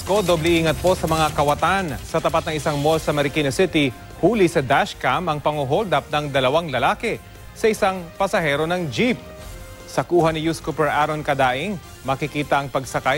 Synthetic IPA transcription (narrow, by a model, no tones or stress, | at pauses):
skod̪oblɛʔiːŋɐt̪̚po̞sɐmɐŋakɐwɐt̪ansɐt̪ɐpat̪nɐŋɪsaŋmo̞lsɐmɛɾɪkiːnosɪt̪ɪ | huːlɪsɐd̪aʃkamɐŋpɐŋoɦold̪ɐp̚nɐŋd̪ɐlɐwaŋlɐlaːkɛ | sɐʔɪsaŋpɐsɐhɛːɾo̞nɐŋd͡ʒip̚ | sɐkuːɦɐnɪjuskupɛɹʔaɾonkɐd̪aːʔɪŋ | mɐkɪkiːt̪ɐʔɐŋpɐɡsɐkaj